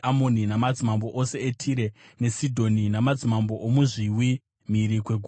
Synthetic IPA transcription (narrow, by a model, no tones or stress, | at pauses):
amoninamad͡zimambo̞ʔose̞etʰiɾe̞ne̞sidʱo̞ninamad͡zimambo̞ʔomuʐiwi | miɾikwe̞ɡʱu